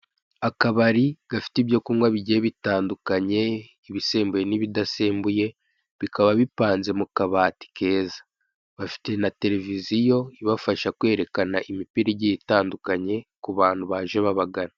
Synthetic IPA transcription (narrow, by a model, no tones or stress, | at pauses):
akaβaɾiɡ̥afi̥tiβjo̞kuːŋɡwaβiɟieβitaːndukaɲe̞ | iβise̞ːmbuje̞niβidase̞ːmbuje̞ | βikaβaβipaːnze̞mukaβaːti̥ke̞ːzḁ | βafi̥te̞nate̞ɾe̞vizijo̞iβafaʃakwe̞ːɾe̞kanaʔimipiɾiɟiitaːndukaɲe̞kuβaːn̥uβaːʒeβaβaɡana